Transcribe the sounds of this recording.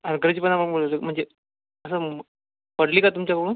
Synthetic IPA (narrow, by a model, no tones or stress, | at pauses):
əɾɡəɾt͡ɕipənaəɽmoɭləm̤əɳd͡ze | əs̬ə | pəɽliːkat̪umt͡ɕjakəɽuːn